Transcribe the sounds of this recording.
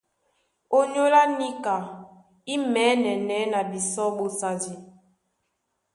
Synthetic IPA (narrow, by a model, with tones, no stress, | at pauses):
o˦ɲo˦la˦ni˦ka˨ | i˦mɛ˨˦nɛ˨nɛ˨˦na˨bi˨sɔ˦ɓo˨sa˨di˨